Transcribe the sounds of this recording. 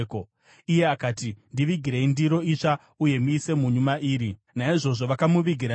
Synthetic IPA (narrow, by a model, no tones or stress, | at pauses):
ko | ije̞akaːtindiʋiɡʱiɾeindiɾo̞it͡ʂa | uje̞muːse̞muɲumaʔiːɾi | naiʐo̞ʐo̞ʋakamuʋiɡʱiɾa